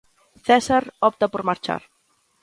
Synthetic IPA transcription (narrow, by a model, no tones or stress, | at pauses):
θɛsaɾɔp̚t̪apoɾmaɾt͡ʃa̰ɾ